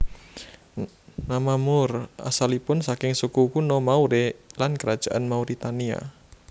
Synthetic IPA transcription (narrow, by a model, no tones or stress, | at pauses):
namamʊra̰salipʊnsakɪŋsukukunɔmauɾelankəɾad̥ʒ̥aʔanmauɾit̪ania̰